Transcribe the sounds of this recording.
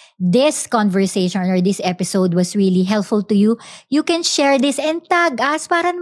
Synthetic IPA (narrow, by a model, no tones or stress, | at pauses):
d̪ɪskɔ̃nvɛɹseʃɔ̃nɔɹd̪ɪsʔɛpɪsowd̪̚wɐsɹiliɦɛlpfʊlt̪ʊjujukɛ̃nʃɛɹd̪ɪsɛ̃n̚t̪aɡɐspaːɾɐn